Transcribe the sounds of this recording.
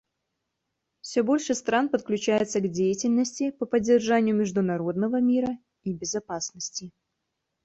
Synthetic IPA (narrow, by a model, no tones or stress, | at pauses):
fsʲɵbo̞lʲʂɨst̪ɾanpət̪̚klʲʉt͡ɕæjɪt̪səɡdʲejɪtʲɪlʲnəsʲtʲɪpəpədʲːɪrʐanʲɪjʊmʲɪʐd̪ʊnɐɾo̞d̪nəvəmʲiɾə | ibʲɪzɐpasnəsʲtʲɪ